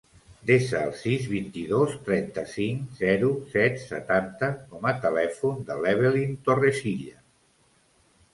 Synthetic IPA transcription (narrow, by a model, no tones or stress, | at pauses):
d̪esə̰ːlˠsizβint̪iðost̪ɾɛnt̪əsiŋzɛɾusɛt̪sə̰t̪ant̪əkɔmət̪əlɛfund̪əlɛβ̞elint̪oresiʎə